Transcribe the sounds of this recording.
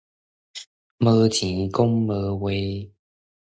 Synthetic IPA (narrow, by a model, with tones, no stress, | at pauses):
mə˧˦t͡ɕĩ˨˦kʊ˦ŋmə˧˦we˧˦